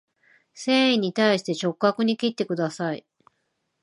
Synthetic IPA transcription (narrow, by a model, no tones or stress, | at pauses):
sẽːĩɲ̟it̪aiɕi̥t̪e̞t͡ɕo̞kɯakɯ̟ɲ̟ikʲit̪ːe̞kɯ̟d̪asai